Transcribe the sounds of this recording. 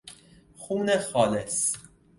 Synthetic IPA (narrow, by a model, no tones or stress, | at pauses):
xuːnexɒːles